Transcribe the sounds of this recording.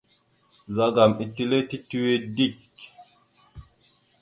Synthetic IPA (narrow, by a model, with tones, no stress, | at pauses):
za˨ɡa˨mi˨ti˦le˦ti˦ti˦we˦di˦˨k